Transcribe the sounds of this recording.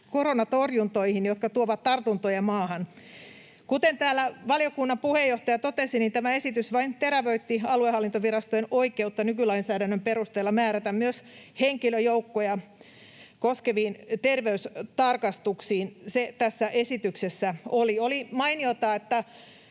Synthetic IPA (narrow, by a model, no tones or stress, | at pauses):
koronɑt̪orjunt̪oihinjot̪kɑt̪uoʋɑt̪t̪ɑrt̪unt̪ojɑmɑːhɑn | kut̪ent̪æːlːæʋɑljokunːɑmpuhejːoht̪ɑjɑt̪ot̪esinint̪æmæesit̪ysʋɑint̪eɾæʋøit̪ːiɑluehɑlːint̪oʋirɑst̪oenoikeut̪ːɑnykylɑinsæːdænːømperust̪eːlːɑmæːɾæt̪æmmyøsheŋkiløjoukːojɑ | koskeʋiːnt̪erʋeyst̪ɑrkɑst̪uksiːnset̪æsːæʔesit̪yksesːæoliolimɑiniot̪ɑːet̪ːæ